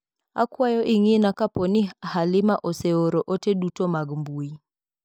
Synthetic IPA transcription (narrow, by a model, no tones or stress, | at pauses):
a̰kwajɔʔɪŋinakapɔnɪahalɪmaʔɔseoɾoʔotedutomaɡmbui